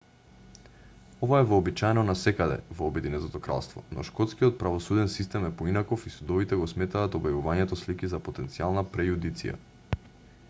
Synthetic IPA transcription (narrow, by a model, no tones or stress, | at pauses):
ɔvaɛvɔːbit͡ʃajɛnɔnasɛkad̪ɛ̰vɔːbɛd̪inɛt̪ot̪ɔkɾa̰lˠst̪vɔ̰nʔɔ̰ʃkɔt̪skijɔt̪̚pɾavɔsud̪ɛnsist̪ɛmɛpoinakofisud̪ɔvit̪ɛɡɔsmɛt̪aːt̪ɔbjavuvaɲɛt̪ɔslikizapot̪ɛnt̪sialˠnapɾɛjud̪it̪sḭja̰